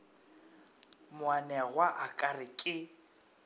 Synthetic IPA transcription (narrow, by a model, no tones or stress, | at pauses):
mʊwanɛɣwaʔakʼarɪkʼɪ